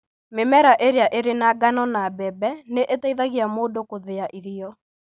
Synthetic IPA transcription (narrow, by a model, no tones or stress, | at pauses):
memɛɾaʔeɾeaʔeɾenaɡanɔnabɛbɛneʔetaiðaɣiamoːdokoðeaʔiɾiɔ